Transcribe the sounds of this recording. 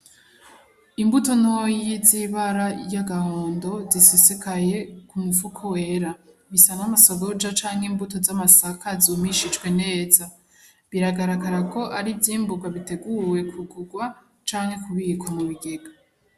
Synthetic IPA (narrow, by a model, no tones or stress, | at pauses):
imbuto̞nojiziβaɾajaɡaho̞ːndo̞zisisikaje̞kumufukʰowe̞ɾaβisanamaso̞ɡo̞d͡ʒat͡ʃaːŋhimbuto̞zamasakazuːmiʃit͡ʃɡwe̞ne̞ːza | βiɾaɡaɾaɡaɾako̞ʔaɾivjiːmbuɡwaβite̞ɡuwe̞kʰuɡuɡwa | t͡ʃaːŋhe̞kuβikʰomuβiɡe̞ɡa